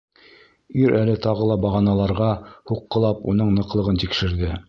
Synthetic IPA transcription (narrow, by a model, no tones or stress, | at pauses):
iɾʔælɘt̪ɑʁɤlˠɑbɑʁɑnɑlˠɑɾʁɑhuqːɤ̆lˠɑpun̪ɤɴnɤ̆qlˠɤ̆ʁɤnt̪ikʃɘ̆ɾðɘ